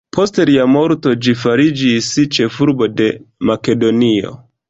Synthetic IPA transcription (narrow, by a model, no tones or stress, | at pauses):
pʰo̞steɾiamo̞ɾto̞d͡ʒifaɾid͡ʒisit͡ʃe̞fuɾbo̞de̞make̞do̞nio̞̰